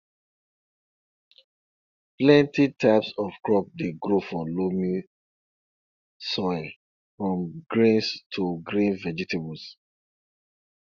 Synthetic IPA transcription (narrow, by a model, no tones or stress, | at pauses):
plɛ̃ntitʰaɪpsɔfkɹɔk̚deɡɾofɹɔ̃mlomi | sɔɪl | fɹɔ̃mɡɹĩnstʰuɡɹĩnvɛd͡ʒɛtʰebɔs